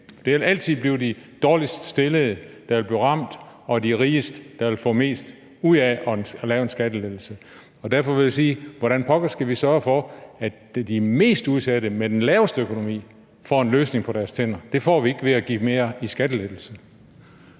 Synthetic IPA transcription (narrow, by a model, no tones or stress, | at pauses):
d̥e̝ʋe̝læl̰t͡sʰið̩̰ˠbliʊd̥id̥ɒːlisd̥sd̥e̝ləð̩ˠd̥ɑʋe̝lb̥iʁɑ̈m̰d̥ɒ̽d̥iʁiːəsd̥d̥ɑʋe̝lfɔ̰̽ːme̝̰ːsd̥ | uð̰ˠæʔɒ̽nlɛːʊensɡ̥æd̥əleð̥l̩sə | ɒ̽d̥æɐ̰fɒ̽ʋe̝ljisiːʋɒɾænpʰɒ̽ɡ̥əsɡ̥æʋisɶɐɐfɒ̽æ | d̥ime̝̰ːsd̥uð̞ˠsæd̥əmed̥enlɛːʊsd̥økʰo̝no̝mḭː | fɒ̰ːe̝nløːsne̝ŋpʰɒ̽ɾæɐst͡sʰen̰ɐd̥e̝fɒ̰ːʋie̝ɡ̥əʋe̝æɡ̥ḭːme̝ːɐisɡ̥æd̥əled̥l̩sə